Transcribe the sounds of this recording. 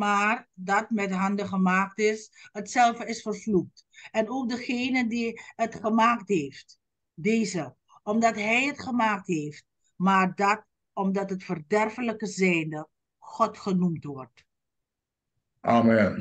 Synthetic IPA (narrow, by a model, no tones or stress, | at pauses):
maːrdɑtmɛtɦɑndəχəmaːktɪshətsɛlˠvəɪsfərvluk̚tɛnowk̚dəχejnəndiətχəmaːktɦeːft | deːzə | ɔmdɑtɦɛjətχəmaːk̚tɦejft | maːɹdɑt̚ | ɔmdɑtɦətfərdɛrvələkəzɛjndə | χɔtχənumtʋɔɹt | ʔaːmɛn